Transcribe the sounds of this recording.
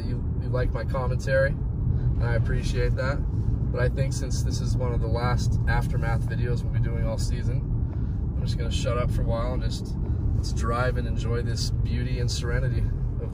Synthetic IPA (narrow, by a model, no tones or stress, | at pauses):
jɨ | jɨlaɪk̚maɪkʰɑmɨ̃ntʰɛɹi | ɨ̃naɪɨpʰɹ̥iʃieɪt̪̚ðæt̚b̥ʌɾaɪθɪ̃ŋksɪ̃nsðɪsɨzwʌ̃nʌvðəlæstæftə˞mæθvɪɾioʊzwə̃nwidʉɪ̃ŋɔlˠsizɨ̃n | ãɪ̃md͡ʒʌsɡ̥ʌnɨʃʌɾʌpfə˞əwaɪl̃ˠnd͡ʒʌstsdɹaɪvɨ̃nɨ̃nd͡ʒɔɪðɪsb̥jʉɾiɨ̃nsə˞ɛnɨɾiʌv